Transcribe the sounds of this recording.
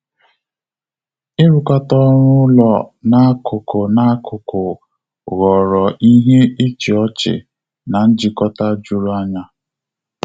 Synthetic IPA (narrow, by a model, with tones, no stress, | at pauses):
ɪ˦ɾu˨kɔ˦tɔ˦ɾʊ˦lɔ˨na˦a˦kʊ˨kʊ˨na˨˦kʊ˨kʊ˨ | ɣɔ˨ɾɔ˨ʔi˦ɦe˦i˦t͡ʃi˨ɔ˦t͡ʃɪ̰˨ | na˨n̩˦d͡ʒɪ˨kɔ˦ta˦d͡ʒu˦ɾu˦a˦ɲa˦